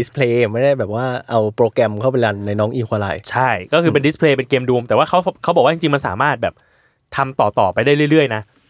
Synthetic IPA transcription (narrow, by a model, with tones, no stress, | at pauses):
di˦˥spʰleː˧˩ma˥˩jda˥˩jbɛː˨˩p̚waː˥˩ʔa˧wpɾoː˧kɾɛ˧mkʰa˥˩p̬e˧la˧nːa˧jnɔː˦˥ŋʔiː˧˩kʰaː˧la̰˨˩jt͡ɕʰa˥˩jkɔː˥˩kʰɯː˧pe˧ndi˦˥pʰleː˧p̬e˧nkeː˧mduː˧mt̪ɛː˨˩waː˥˩kʰa˦˥wkʰa˦˥bɔː˨˩k̚wa˥˩t͡ɕi˧t͡ɕi˧ŋma˧nsa̰ː˩˦maː˥˩t̪̚bɛː˨˩p̚ | t̪ʰa˧mt̪ɔː˨˩t̪ɔː˨˩pa˧jɾa˥˩jɾɯ˥˩ɾɯ˥˩əjna˦˥ʔ